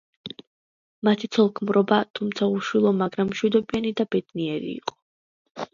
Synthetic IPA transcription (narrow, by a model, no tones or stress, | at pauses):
mat̪ʰit̪sʰɔlˠkʰmɾɔbat̪ʰumt̪sʰauʃwilˠɔmaɡɾamːʃwid̪ɔbianid̪abɛd̪̥niɛɾḭːqʼɔ̥